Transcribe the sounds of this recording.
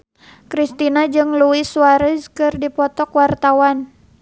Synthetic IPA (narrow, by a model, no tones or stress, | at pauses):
kɾist̪inad͡ʒɨŋluiswaɾəskɨrdipɔt̪ɔkwart̪awan